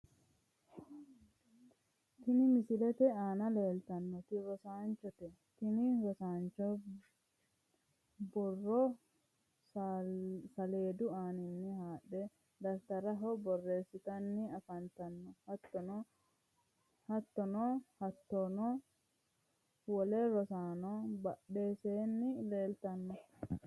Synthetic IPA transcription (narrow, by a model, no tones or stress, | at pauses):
t̪ɪnɪmɪsɪlɛt̪ɛaːnɐle̞ːlt̪ɐnːɔt̪ɪɾɔsaːnt͡ʃːɔt̪ɛ | t̪ɪnɪɾɔsaːnt͡ʃːɔ | bɔrːɔ | sɐle̞ːd̪ʊaːnɪnːɪhaːɗːɛ | d̪ɐɾt̪ɐɾɐɦɔbɔrːe̞ːsːɪt̪ɐnːɪɐfɐnt̪ɐnːɔhɐt̪ːɔn | hɐt̪ːɔnɔhɐt̪ːɔnɔ | wɔlɛɾɔsaːnɔbɐɗːeːseːnːɪleːlt̪ɐnːɔ